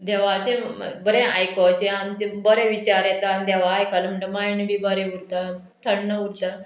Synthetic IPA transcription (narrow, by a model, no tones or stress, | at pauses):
d̪ɛʋat͡ɕẽbəɾẽajkɔt͡ɕeamt͡ɕebəɾẽʋit͡ɕaɾjet̪and̪ɛʋaːjkalməɳʈəmajɳʋibəɾeuɾt̪a | t̪ʰəɳːəuɾt̪a